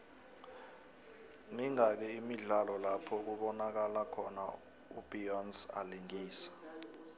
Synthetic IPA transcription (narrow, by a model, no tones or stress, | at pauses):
miŋak̬ɛimiɮalɔlapʰɔk̬uɓɔnak̬alakʰɔna | ub̥iɔnsa̰liŋiːsḁ